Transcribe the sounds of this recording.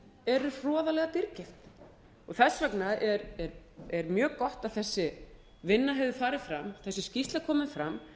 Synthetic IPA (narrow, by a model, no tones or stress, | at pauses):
ɛɾʏfɔːðalɛɣat̪iɾcɪft̪ | ɔɣθɛsvɛknaðɛɾɛɾ | ɛɾmjœːkɔht̪aðθɛsːɪ | vɪnːaɦɛvðɪfaːɾɪðfɾamθɛsːɪscist̪lakʰɔːmɪnfɾam